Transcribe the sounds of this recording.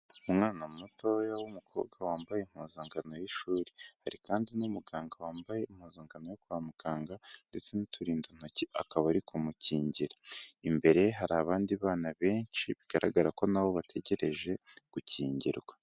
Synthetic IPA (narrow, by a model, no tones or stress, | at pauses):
umŋaːnamoto̞jawumukʰo̞̰ːβɡwawaːmbajem̥hoːzaːŋɡano̞jiʃuːɾihaɾikaːndinumuɡaːŋɡawaːmbaje̞im̥hoːzaːŋɡano̞jokuamuɡ̥aːŋɡande̞t͡se̞nitʰuɾiːndon̥ociʔa̰kaβaɾikumuciːɲɟiɾaimbe̞ɾe̞ɦaɾaːβaːndiβaːnaβe̞ːnt͡ʃiβiɡ̥aɾaɡaɾako̞naβo̞βatʰe̞ɟe̞ɾe̞ʒe̞ɡ̥uciːɲɟḭɾɡwa